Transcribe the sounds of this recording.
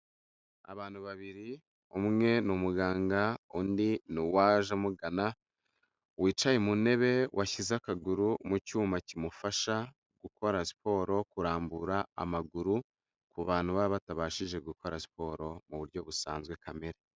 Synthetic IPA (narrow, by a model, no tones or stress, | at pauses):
a̰βaːn̥huβaβiɾi | umŋe̞numuɡaːŋɡaundinuwaːʒamuɡana | wiːt͡ʃajemune̞βe̞wʔaçizakaɡuɾumucuːmacimufaʃa | ɡ̥uko̞ɾasi̥po̞ːɾo̞kuɾaːmbuɾaa̰maɡuɾu | kuβaːnhuβaβataβaːʃiʒe̞ɡuko̞ɾasi̥po̞ːɾo̞muβuɾɟo̞βusa̰ːnzɡwe̞kʰameɾe